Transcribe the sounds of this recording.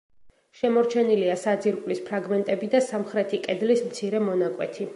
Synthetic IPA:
ʃɛmɔɾt͡ʃʰɛniliasad̪ziɾkʼlispʰɾaɡmɛnt̪ʼɛbid̪asamχɾɛt̪ʰikʼɛd̪lismt̪sʰiɾɛmɔnakʼwɛ̰t̪ʰi

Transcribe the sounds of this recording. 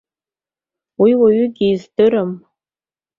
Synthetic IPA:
wiwaɥʏɡʲiːzdɨɾɨm

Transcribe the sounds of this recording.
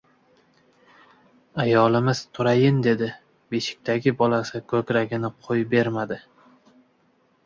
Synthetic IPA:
ajɒlɪmɪz̥t̪ʰʊɾajɪnd̪e̞d̪ɪ | be̞ʃɪ̥k̚ʲt̪ʰaɡʲɪbɒlasɪkʰɵkʲɾaɡʲɪnɪqʰojbe̞ɾmad̪ɪ

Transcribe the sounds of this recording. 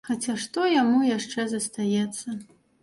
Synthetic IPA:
xat͡sʲaʂt̪ɔjamujaʂt͡ʂɛzɐst̪ajɛt̪sːɐ

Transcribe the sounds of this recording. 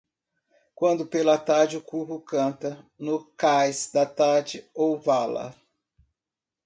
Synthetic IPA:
kwɐ̃nd̪ʊpelɐat̪aɾd͡ʒɪʊkuɦʊkɐ̃t̪ɐnʊkajsd̪ɐt̪aɾd͡ʒɪowvalɐ̰

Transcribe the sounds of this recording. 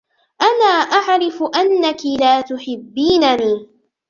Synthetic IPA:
ʔanaːʔaʕɾɪfʊʔanːakilaːt̪ʊħɪbːiːnaniː

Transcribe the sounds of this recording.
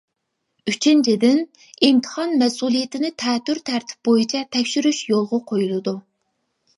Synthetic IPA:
yt͡ʃʰint͡ʃʰid̪ɪn | imt̪ʰə̥χɑnmɛsulˠijet̪ʰɪnɪt̪ʰɛːt̪ːyɾt̪ʰæɾt̪ʰɪ̥p̚bojit͡ʃʰɛt̪ʰɛkʲʃyɾyʃjolˠʁʊqʰojulˠɨd̪u

